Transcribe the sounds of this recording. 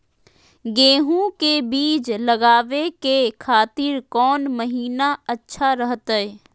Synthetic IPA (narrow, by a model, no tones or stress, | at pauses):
ɡeːɦũkebiːt͡ʃlɐɡaːʋekekʰaːt̪ɪɾkɔːnməɦiːnaɐtːʃʰaɾəɦət̪ɛː